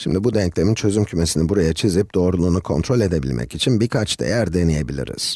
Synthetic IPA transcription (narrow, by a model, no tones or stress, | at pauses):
ʃimd̪ibud̪ɛɲclʲe̞mint͡ʃʰø̞zymcʰyme̞sinibuɾajat͡ʃʰizip̚d̪̥o̞ːɾulˠuːnukʰo̞nt̪ʰɾo̞lʲe̞d̪e̞bḭlʲmʔɛ̰cit͡ʃʰinbiɾkʰat͡ʃd̪a̰jæɾd̪enije̞bilʲḭɾḭz̥